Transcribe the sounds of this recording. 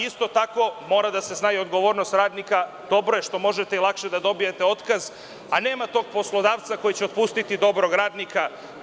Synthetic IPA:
ist̪o̞t̪ako̞mo̞ːɾad̪ase̞snaːjio̞d̪ɡo̞ʋo̞ːɾnost̪ɾaːd̪nika | d̪̥o̞bɾoje̞ʃt̪o̞mo̞ʒet̪eilˠakʃe̞d̪ad̪o̞bije̞t̪eo̞t̪kaz | ane̞ːmat̪o̞ɡ̚po̞slˠo̞d̪aːʋt̪sako̞jit͡ɕeo̞t̪̚pust̪it̪id̪o̞bɾo̞ɡɾaːd̪nika

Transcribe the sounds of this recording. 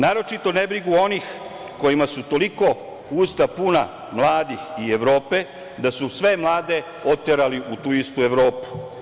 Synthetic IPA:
naːɾo̞t͡ʃit̪o̞ne̞bɾiɡuo̞nix | ko̞jimasut̪o̞liko̞ | uːst̪apuna̰ | mlˠaːd̪ixieʋɾo̞ːpe̞ | d̪asusʋe̞mlˠaːd̪e̞ | ot̪ːeɾaliʔut̪uːist̪ue̞ʋɾo̞ːpu̥

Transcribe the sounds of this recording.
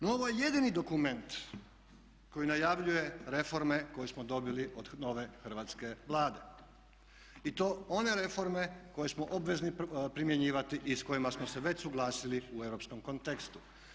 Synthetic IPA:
nooʋojeje̞d̪inid̪o̞kume̞nt̪ | ko̞jinajaʋʎuje̞ɾe̞fo̞ɾme̞ko̞jesmod̪o̞biliod̪no̞ʋe̞xr̩ʋat̪ske̞ʋlˠaːd̪e̞ | it̪o̞ːo̞ne̞ɾe̞fo̞ɾme̞ko̞jesmoʔobʋe̞znipɾimje̞ɲiːʋat̪iʔisko̞jimasmose̞ʋe̞t͡ɕsuɡlaːsiliuewɾo̞psko̞mkont̪ekst̪u̥

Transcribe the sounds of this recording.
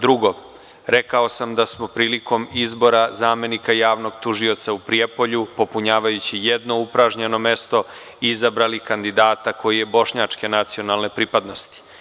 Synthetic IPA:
d̪ɾuɡo̞ | ɾekao̞samd̪asmo̞pɾiːliko̞mizbo̞ɾazaːme̞nikajaːʋno̞ɡt̪uʒio̞t̪saupɾiepo̞ʎupo̞puɲaːʋajut͡ɕijed̪no̞upɾaʒɲe̞no̞me̞st̪o̞ | izabɾalikand̪id̪aːt̪ako̞jije̞bo̞ʃɲaːt͡ʂke̞nat̪sio̞nalˠne̞pɾipad̪no̞st̪i̥

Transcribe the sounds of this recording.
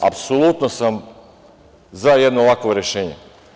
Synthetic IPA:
a̰psolˠut̪nosam | zajed̪nolakʋoɾe̞ʃeːɲḛ

